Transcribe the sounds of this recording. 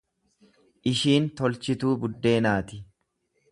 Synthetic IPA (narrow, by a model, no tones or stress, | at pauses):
ʔɪʃiːnt̪ɔlt͡ʃɪt̪uːbʊd̪ːe̞ːnaːt̪ɪ